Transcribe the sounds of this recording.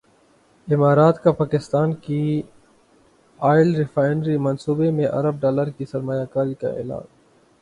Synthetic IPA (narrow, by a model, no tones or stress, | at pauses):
ɪmaːɾaːt̪kapaːkɪst̪aːnki | aːɪlɾɪfaːɪɳɖɾimɐnsuːbemẽʔɐ̰ɾəb̚ɖaːləɾkisɐɾmaːjakaːɾika̰ḛːla̰ːn